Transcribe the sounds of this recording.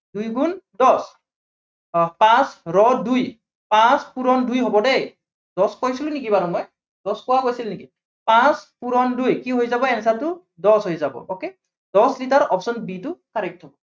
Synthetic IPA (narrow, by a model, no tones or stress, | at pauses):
dujɡundɔs | pãsɹɔduj | pãspuɹɔndujɦɔbɔdej | dɔskojsilʊnik̬ibaɹumɔj | dɔskowaɡojsilniki | pãspuɹɔndujkiɦojzabɔɛnɛsaltʊ | dɔsɦojzabɔ̰oke | dɔslitaɹɔpsɔnbitʊkaɹɛk̚tʰɔbɔ